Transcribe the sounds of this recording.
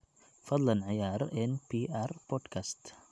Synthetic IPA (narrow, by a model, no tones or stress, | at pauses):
fɐd̪lɐnʕɪjaːɾˤɛnpʰiːʔaɾpɔd̪kʰast̪